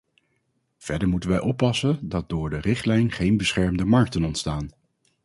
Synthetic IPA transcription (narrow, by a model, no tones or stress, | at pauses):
v̥ɛɹdəɹmutənʋɛjʔɔpːɑsəndɑt̚dʊːɹdərɪχtlɛjnχejnbəsχɛɹmdəmɑɹk̚tənɔntstaːn